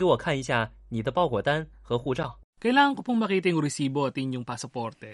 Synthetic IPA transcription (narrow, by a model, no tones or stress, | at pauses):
keɪwɔkʰaniɕjanid̪əpɑʊkwɔt̪anxɤxuʈ͡ʂɑʊkɐjlaːŋɐŋkopʊŋmɐkiːt̪ɪŋʊɾɪsiːboɐt̪ɪŋjoŋpasɐpɔɾt̪ɛ